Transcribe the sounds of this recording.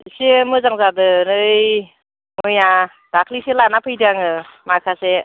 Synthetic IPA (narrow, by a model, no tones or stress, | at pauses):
semɯzaŋzadɯnɯj | mɯja | d̥akʰliselanapʰɯjdaŋɯmakʰase